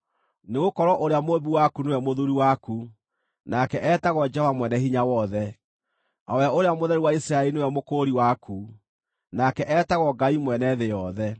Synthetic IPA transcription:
neɣokɔɾɔʔoɾeamoβiwakunewɛmoðuɾiwaku | nakɛʔɛtaɣɔd͡ʒɛɔvamwɛnɛhiɲawɔðɛ | awɛaoɾeamoðɛɾiwaisɾaɛlinewɛmokoɾiwakʰu | nakɛʔɛtaɣɔɡaimwɛnɛðejɔðɛ

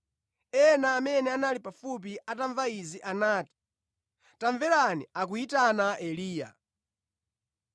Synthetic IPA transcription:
ɛnaːmɛnɛanalipafup̬iʔataɱvaiziʔanaːti̥ | taɱvɛlaniak̬uitanaʔɛliːja̰

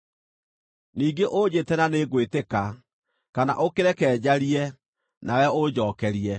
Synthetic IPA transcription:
niːɡeʔod͡ʑetɛnaneɡweteka | kana̰ʔokeɾɛkɛːd͡ʑaɾiɛ | nawɛod͡ʑɔːkɛɾiɛ

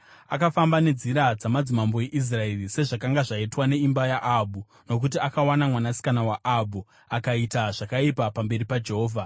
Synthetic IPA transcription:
akafambane̞d͡ziɾad͡zamad͡zimambo̞jeʔis̬rae̞rise̞ʐakaŋɡaʐaitwane̞imbajaʔabʱu | no̞k̬ut̬iakawanamwanasi̥kanawaʔabu | akaitaʐ̥akaipapambe̞ɾipad͡ʒe̞ɦoːvʱa

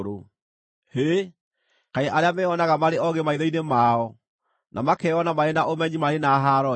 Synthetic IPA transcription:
ɾo | he | kaeʔaɾeamɛɔnaɣamaɾeɔɣemaiðɔinemaɔ | nʔamakɛɔnamaɾenaʔomɛɲimaɾenaɦaɾɔ

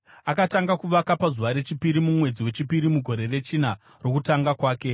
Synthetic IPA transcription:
akataŋɡakuʋakapazuʋaɾe̞t͡ʃipiɾimumwe̞d͡ziwe̞t͡ʃipiɾimuɡʱo̞ɾe̞re̞t͡ʃina | ro̞kutaŋɡakwaːke̞

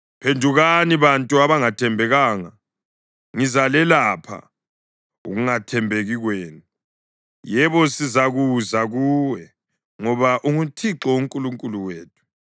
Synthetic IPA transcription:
pʰendʱuɣaniβantʼuaβaŋatʰɛmbʱɛɣaːŋa | ŋizalɛlapʰa̰ | ṵɣuŋatʰɛmbʱeɣiɣweːnu | jɛβɔsizaɣuzaɣuːwɛ | ŋɔβaʔuŋutʰiǁɔuŋkʼuluŋkʼuluweːtʰu̥

